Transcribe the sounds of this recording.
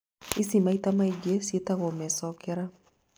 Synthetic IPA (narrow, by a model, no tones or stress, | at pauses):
isimaitamaiɡesetaɣɔmɛsɔkɛɾa